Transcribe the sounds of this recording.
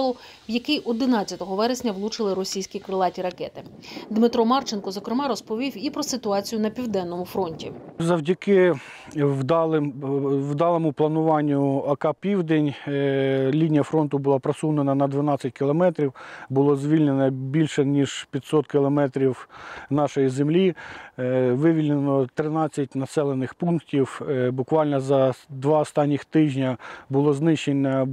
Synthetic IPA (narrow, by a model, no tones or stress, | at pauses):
lˠʊ | wjɐkɪjʔɔd̪ɪnɑt͡sʲːɐt̪ɔɦɔʋɛɾesʲnʲɐwlˠut͡ʃɪlˠɪɾɔsʲijsʲkʲikɾɪlˠɑtʲiɾɐkɛt̪ɪ | d̪mɪt̪ɾɔmɑrt͡ʃɪnkɔzɔkɾɪmɑɾɔspɔʋʲiwipɾɔsɪt̪ʊɑt͡sʲijʊnɐpʲiwd̪ɛnːɔmʊfɾɔnʲtʲḭzɐwdʲɐkɪ | wd̪ɑlˠɪwd̪ɑlˠɔmʊplˠɐnʊʋɑnʲːʊɐkɑpʲiwd̪enʲ | lʲinʲijɐfɾɔnt̪ʊbʊlˠɑpɾɐsunenɐnɐd̪ʋɪnɑt͡sʲːɐtʲkʲɪlˠɔmɛt̪ɾʲiwbʊlˠɔzʋʲilʲnenɐbʲilʲʃɛnʲiʐpʲɐt̪ʲsɔt̪kʲɪlˠɔmɛt̪ɾʲiwnɑʃɔjizemlʲi | ʋɪʋʲilʲnenɔt̪ɾɪnɑt͡sʲːɐt̚ʲnɐsɛlˠenɪxpunktʲiwbʊkʋɑlʲnɔzɐd̪ʋɑɔst̪ɑnʲːixt̪ɪʒʲnʲɐbʊlˠɔznɪʃːenʲɐ